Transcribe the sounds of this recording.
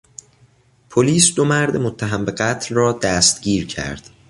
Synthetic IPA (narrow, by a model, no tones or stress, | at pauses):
pʰoliːsd̪omæɾd̪emot̪ʰːæɦæmbe̞ɢæt̪ʰlrɒːd̪æːst̪ɟiːɾcʰæ̰ɾd̪̥